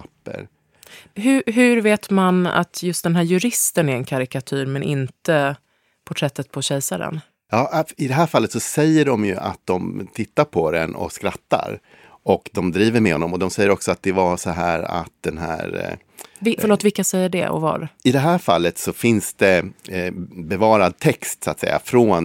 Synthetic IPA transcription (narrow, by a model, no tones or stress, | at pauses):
apːə̰ɾ | ɦɵɦɵɾveːt̪mana̰t̪ʰjɵst̪d̪ɛnɦæːɾjɵɾɪst̪ənæɾɛnkʰaɾɪkat̪ʰʉːɾmɛnʔɪnt̪ə | pʰɔʈʰɾɛt̪ːət̪̚pʰɔɕɛjsaɾɛ̰n | jɑːɪd̪ɛɦæːɾfalːət̪sɔsɛjːəɖɔmjɵ̰ʔa̰t̪̚d̪ɔmt̪ʰɪt̪ːaɾpʰɔd̪ɛ̰nɔ̰kskɾat̪ːa̰ɾ | ɔkd̪ɔmd̪ɾiːvəɾmɛhɔnːɔmɔd̪ɔmsɛjːəɾɔksɔat̪̚d̪ɛvasɔɦæːɾa̰t̪̚d̪ɛnɦæ̰ːɾ | vɪfəɭoːt̪vɪlkːasɛjːəɖɛ̰ɔ̰va̰ɾɪd̪ɛɦæːɾfa̰lːət̪sɔfɪnsd̪ɛ | bɛvɑːɾad̪̚t̪ʰɛkst̪sat̪sɛ̰jːa̰fɾoːn